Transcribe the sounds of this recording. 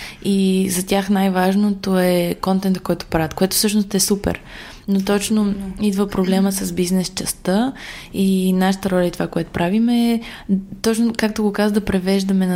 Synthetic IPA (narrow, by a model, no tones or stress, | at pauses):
izɐt̪ʲjaxnajvaʒnot̪oɛkɔnt̪ɛnt̪kɔjt̪ʊ̥pɾavət̪koɛt̪ʊ̥fsɤʃnost̪ɛsupɛ̰ɾ | not̪ɔt͡ʃnoid̪vəpɾoblɛməsɐsbiznɛst͡ʃɛst̪ə | inaʃə̥t̪əɾɔlʲəit̪ovakoɛt̪o̥pɾavimɛːt̪ɔt͡ʃnokakt̪oɡokazəd̪ɐpɾɛvɛʒd̪əmɛnɐ